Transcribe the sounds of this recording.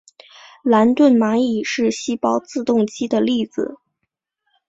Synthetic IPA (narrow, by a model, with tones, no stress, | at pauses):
la˧˥nt̪wə˥˩nma˧˥i˨˩ʂɻ̩˥˩ɕi˥pɑ˥ʊt͡sɹ̩˥˧t̪ʊ˥˧ŋt͡ɕi˥d̪ə˨li˥˩d͡zɹ̩˨˩